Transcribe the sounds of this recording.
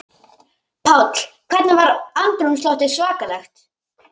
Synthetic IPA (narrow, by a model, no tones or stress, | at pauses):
pʰawt̪l̥kʰvɛɾt̪navaɾant̪ɾunst̪ɔht̪ɪ̥svaːkalɛxt̪